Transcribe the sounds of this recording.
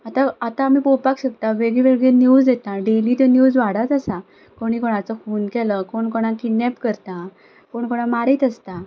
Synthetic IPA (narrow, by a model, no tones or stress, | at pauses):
at̪aat̪ãːmipowpakɕək̚t̪aʋeɡɭiʋeɡɭenjud͡zdet̪ãɖeliːt̪enjuːd͡zʋaɽat̪əsa | koɽ̃ikoɽ̃ãt͡səkuːnkɛləkoɳkɔɽ̃ãkinːɛpkəɾt̪ã | koɳkoɽ̃ãmaɾiːt̪əst̪a